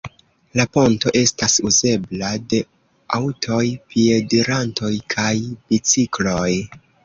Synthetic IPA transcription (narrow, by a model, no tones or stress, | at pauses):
lapo̞nto̞ʔe̞stasuze̞blade̞ | awtʰo̞jpie̞deɾanto̞jkʰajb̥it͡siklo̞j